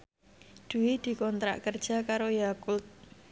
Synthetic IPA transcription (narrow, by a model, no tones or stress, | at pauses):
d̪̥ṳwid̪̥i̤kɔnt̪ɾa̰ʔkərd̥ʒ̥a̤kaɾojakut̪̚